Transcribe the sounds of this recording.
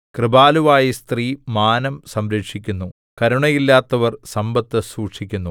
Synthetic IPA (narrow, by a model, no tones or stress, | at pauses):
krɨbaːluʋaːjist̪riːmaːnɐmsɐmɾekʂikʲːunːu | kɐɾuɳɐjilːaːt̪ːɐʋɐrsɐmbɐt̪ːɐsuːʈʂikʲːunːu